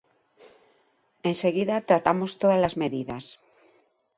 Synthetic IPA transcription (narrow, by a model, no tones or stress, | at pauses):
ẽnseɣiðat̪ɾat̪amost̪oðalazmeðiðas